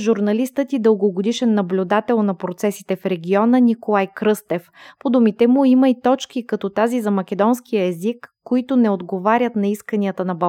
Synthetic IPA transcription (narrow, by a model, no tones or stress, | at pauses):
ʒuɾnɐlist̪ət̪id̪əlˠɡoɡod̪iʃɛnːɐblʲʊd̪at̪ɛlˠnɐpɾot̪sɛsit̪ɛfɾɛɡ̟ʲiɔnənikolˠajkɾɤst̪ɛfpod̪umit̪ɛmʊiməit̪ɔt͡ʃkikɐt̪ɔt̪azizɐmɐkʲɛd̪ɔnsk̟ijəɛzikːoit̪ʊnɛod̪ɡovaɾʲət̪nɐiskənʲiət̪ənɐbɐ